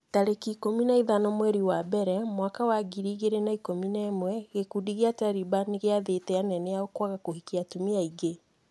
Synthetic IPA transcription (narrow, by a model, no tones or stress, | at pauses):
taɾekikominaiðanɔmwɛɾiwabɛɾɛmwakawaɡiɾiːɣeɾenaikominɛːmwɛɣekudiɣeataɾibaniɣeaðetɛanɛneaɣokwaɣakohikiatumiaiɡe